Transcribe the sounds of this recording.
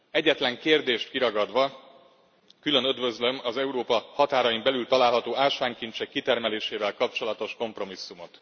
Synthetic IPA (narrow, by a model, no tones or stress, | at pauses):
ɛɟːɛt̪lɛŋkeːrd̪eːʃt̪kiɾɒɡɒd̪ʋɒ | kylø̞nød̪vø̞zlø̞mɒzɛuɾoːpɒhɒt̪aːɾɒjimbɛlylt̪ɒlaːlɦɒt̪oːaːlʃaːŋkint͡ʃɛkːit̪ɛrmɛleːʃeːvɛlkɒp̚t͡ʃo̞lɒt̪o̞ʃko̞mpro̞misːumo̞t̪